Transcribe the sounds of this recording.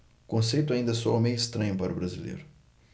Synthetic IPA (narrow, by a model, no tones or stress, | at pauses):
kõsejt̪ʊaĩnd̪ɐsɔmẽj̃ist̪ɾɐ̃ɲʊpaɾubɾazilḛjɾʊ